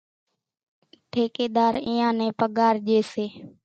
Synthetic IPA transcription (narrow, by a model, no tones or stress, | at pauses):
ʈʰeːkeːɗ̪aːɾĩːãːnɛ̃ːpəɠaːɾʄeːseː